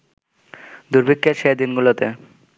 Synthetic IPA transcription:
d̪uɾbʱikʰːeʃed̪inɡulot̪e

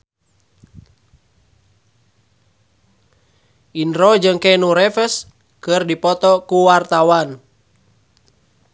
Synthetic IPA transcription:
ʔinɾɔd͡ʒɨŋkɛnuɾɛfəs | kɨrdipɔt̪ɔkuwart̪awan

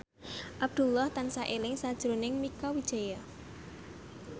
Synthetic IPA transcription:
ʔab̚d̪̥ṳlɔht̪ansaʔelɪŋsad̥ʒ̥ɾonɪŋmikɔwid̥ʒ̥aja

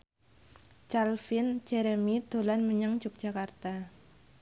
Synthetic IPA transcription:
t͡ʃalfɪnd͡ʒɛɾəmid̪̥o̤lanməɲəŋ̥d͡ʒʊk̚dd͡ʒ̥akart̪a

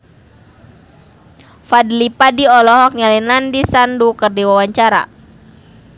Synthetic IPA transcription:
fadlipadiɔlɔɦɔk̚ɲalinandisandukərdiwawaɲt͡ʃaɾa̰

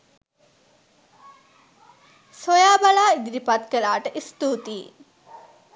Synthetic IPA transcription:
sojaːbalaːid̪id̪ipat̪kelaːʈəʔist̪uːt̪i

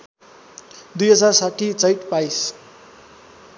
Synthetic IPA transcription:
d̪ujʌd͡zarsaʈʰit͡sʌjʈpajs

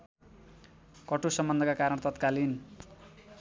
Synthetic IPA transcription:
kʌʈusʌmbʌnd̪ʱʌkakaɾʌnt̪ʌt̪kalin

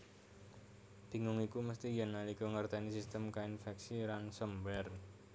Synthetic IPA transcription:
d̪̥i̤ŋʊŋikuməst̪ijənːaliɡɔŋərt̪ɛnisist̪əmkainfɛksiɾansəmbɛr

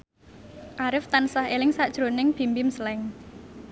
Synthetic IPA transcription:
ʔaɾɪft̪ansaɦelɪŋsaʔd̥ʒ̥ɾonɪŋb̥i̤mbɪmsəlɛŋ

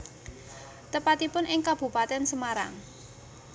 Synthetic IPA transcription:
t̪əpat̪ipʊnʔɪŋkab̥ṳpat̪ɛnsəmaɾa̰ŋ

